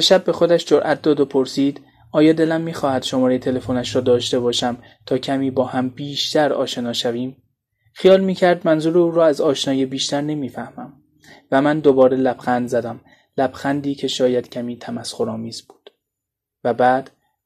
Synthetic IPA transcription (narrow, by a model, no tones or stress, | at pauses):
beʃæbːe̞xo̞d̪æʃd͡ʒoɾʔæt̪̚d̪ɒːd̪o̞pʰo̞ɾsiːd̪̥ | ɒːjɒːd̪e̞læmːiːxɒːhæd̪̥ʃo̞mɒːɾejet̪ʰe̞le̞fonæʃɾɒːd̪ɒːʃt̪e̞bɒːʃæm | t̪ʰɒːcʰæmiːbɒːhæmbiːʃt̪æɾɒ̰ːʃe̞nɒːʃæviːm | xijɒːlmiːcʰæɾd̪mænzuːɾeuːɾɒːæzɒːʃnɒːjebiːʃt̪æɾne̞miːfæhmæm | væmænd̪obɒːɾe̞læb̥xænd̪zæd̪æm | læb̥xænd̪iːcʰe̞ʃɒːjæd̪̥cʰæmiːt̪ʰæmæsχoɾɒːmiːz̥buːd̪̥ | væbæːd̪̥